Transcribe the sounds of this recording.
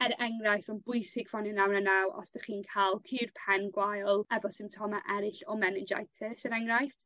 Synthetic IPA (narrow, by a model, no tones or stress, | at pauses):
ɛɾɛŋrajθɔnbʊjsɪɡ̥fɔnɪnawnanawʔɔ̰sd̥aχiːnkʰaːlˠkʰiːrpʰɛnɡwajlˠɛbɔsɪmtʰɔmaʔɛɾɪɬɔmɛnɪd͡ʒa̰jtʰəsəɾɛŋrajft